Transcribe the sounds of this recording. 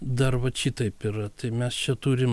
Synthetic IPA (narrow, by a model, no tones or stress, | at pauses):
d̪ɐrʋɐʃʲit̪ɐɪpɪɾɐt̪ɐɪmʲɛst͡ʃʲɛt̪uːɾʲɪm